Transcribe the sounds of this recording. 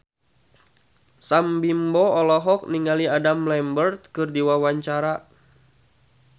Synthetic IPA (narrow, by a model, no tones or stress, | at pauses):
sambimbɔɔlɔɦɔk̚niŋaliadamlɛmbərt̪̚kɨrdiwawaɲt͡ʃaɾa